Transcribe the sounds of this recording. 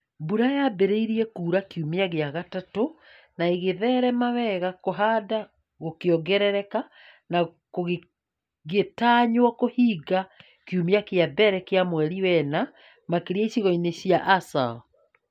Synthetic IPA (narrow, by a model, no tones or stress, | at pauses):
buɾajabeɾeiɾiɛkuːɾakiumeaɣeaɣatato | naeɣeðɛːɾɛmawɛɣakoɦaːda | ɣokeɔɡɛɾɛɾɛka | na | koɣe | ɣetaːɲwakohiɡa | kjumjakeabɛɾɛkeamwɛɾiwɛna | makeɾiaiɕiɣɔineɕjaʔasa̰